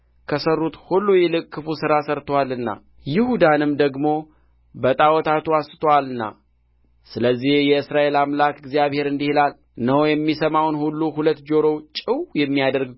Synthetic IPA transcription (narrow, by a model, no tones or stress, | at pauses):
kʰəsərːut̪hulːujɛlɨkʼːɨfusɨɾasəɾt̪ʰəwalːɨnːa̰ | jɪhud̪anɨmd̪əɡmo̞ | bət̪ʼawɔt̪ʰat̪uasɨt̪ʰəwalɨnːa̰ | sɨləzːihjɛɨsɾaʔe̞lamlakɪɡzijaβhe̞ɾɨnd̪ihilal | nəwojɛmːisəmawnhulːuhulət̪ːd͡ʒo̞ɾo̞wt͡ʃʼɪwjɛmːijad̪əɾɡ